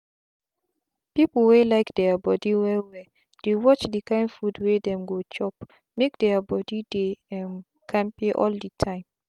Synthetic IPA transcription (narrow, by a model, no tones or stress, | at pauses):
pipl̩welaɪkdɛabɔdiwɛwɛ | d̥ewɔt͡ʃdikãɪ̃nfudwedɛ̃mɡot͡ʃɔp̚ | mek̚dɛabɔdideɛ̃n | kʰãmpiʔɔ̰lditʰãɪ̃m